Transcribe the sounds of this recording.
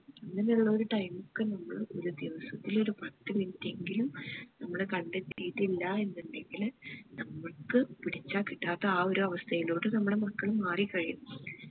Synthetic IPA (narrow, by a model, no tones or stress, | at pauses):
ɐnːɐneuɭːɐoɾuʈɐjmukːɨnɐmːɐɭo̞ɾud̪jiʋɐsɐt̪ːilo̞ɾupɐt̪ːɨmintːe̞ŋɡilumnɐmːɐɽekɐɳɖet̪ːijit̪ːilːɐe̞nːuɳɖe̞ŋɡilnɐmːɐɭkɨpiɽit͡ɕːaːkiʈːaːt̪ːɐaːo̞ɾuɐʋɐst̪ʰɐjilo̞ːɽɨnɐmːɐɽe̞mɐkːɐɭumːaːrikːɐɻiju